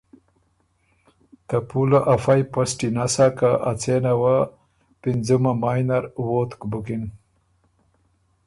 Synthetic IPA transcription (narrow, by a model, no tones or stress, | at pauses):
t̪apulaʔafajpasʈinasakaʔat͡senawa | pind͡zumamajnaɾwot̪kbukin